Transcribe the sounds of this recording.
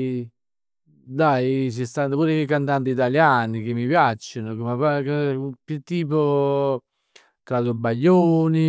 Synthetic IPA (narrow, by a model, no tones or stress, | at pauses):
d̪ajt͡ʃist̪and̪opuːɾekekːant̪ant̪̬it̪aljaːnikemːipjat͡ʃːonokomapakpjut̪ːiːpo | kad̪obaʎːoːni